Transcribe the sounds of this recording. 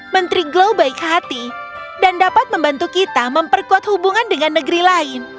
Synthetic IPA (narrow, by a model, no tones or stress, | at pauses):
mənt̪ɾiɡlobaɪkhat̪idandapat̪̚məmbant̪ukit̪aməmpərkuat̪̚hubuŋandəŋanːəɡəɾilaɪn